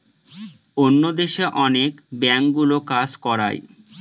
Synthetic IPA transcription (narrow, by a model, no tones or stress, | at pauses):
onːod̪eʃeʔɔnekbɛŋɡulokad͡ʑkɔɾa̰j